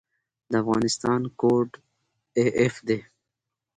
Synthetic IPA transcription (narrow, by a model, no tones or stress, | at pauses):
d̪əafɣɑ̰nɪst̪ɑːnkoɖ | eʔefd̪e